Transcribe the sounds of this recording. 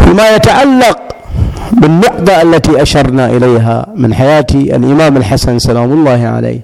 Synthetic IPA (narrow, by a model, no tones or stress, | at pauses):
fiːmaːjat̪aʕalːɑq̚ | bɪnːʊqd̪ˤaʔalːat̪iːʔaʃɑɾˤnaʔɪlajɦa̰ːmɪnħajaːt̪ia̰lʔɪmaːmalħasansalaːmʊlˤːɑːhɪʕa̰la̰jː